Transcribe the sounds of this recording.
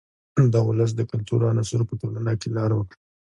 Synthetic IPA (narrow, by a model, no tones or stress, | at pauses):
d̪ɑʊləs̬d̪əkʊlt̪uɾanasuɾpəʈolanakelɑɾawəkɽa